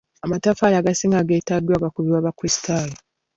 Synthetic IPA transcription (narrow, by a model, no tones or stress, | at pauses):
amatafaːlaːɡasiːŋɡaɡeːtadwaːɡakuβiwaβakwestʰaːlu